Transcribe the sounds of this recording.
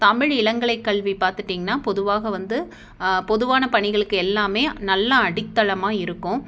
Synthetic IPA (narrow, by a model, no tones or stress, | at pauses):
t̪ɐmɪɻɪɭɐŋɡɐɭɐɪkːɐɭʋipaːɾt̪ɯʈːiːŋɡɐnːaːpɔðɯʋaːɣɐʋɐnd̪ɯ | pɔðɯʋaːnɐpɐɳɪɣɐɭɯkːɯɛlːaːmeːnɐlːɐɐɽɪt̪ːɐlɐmaːɪɾɯkːʊ̃